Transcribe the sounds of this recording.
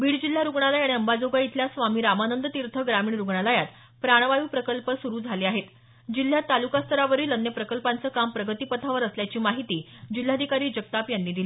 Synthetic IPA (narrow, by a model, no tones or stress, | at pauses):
biːɽd͡ʑil̤ːaɾuɡɳ̃aləjaɽiəmbad͡zoɡait̪ʰljasʋamiːɾamanənd̪ət̪iɾt̪ʰəɡɾamiːɳɾuɡɳaləjat̪ | pɾaɽ̃ʋaʋiːpɾəkəlpəsuɾuːd͡zʱaleːaɦet̪ | d͡ʑil̤ːjat̪alukast̪ʰəɾaʋəɾiːlənjəpɾəkəlpant͡səːkampɾəɡət̪iːpət̪ʰaʋəɾəsljat͡ɕiːmaɦit̪iːd͡ʑil̤ːad̪ʱikaɾiːd͡ʑəɡ̚t̪apjanːiːd̪iliː